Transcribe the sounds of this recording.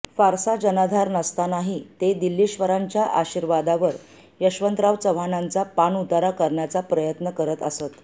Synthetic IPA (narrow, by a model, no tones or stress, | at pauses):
faɾsad͡ʑənad̪ʱaɾnəst̪anaɦit̪ed̪ilːiɕʋəɾaɲt͡ɕjaʔaɕiɾʋad̪aʋəɾ | jəɕʋənt̪ɾaʋt͡səʋanant͡sapanut̪aɾakəɾɳjat͡sapɾəjət̪nəkəɾət̪əsət̪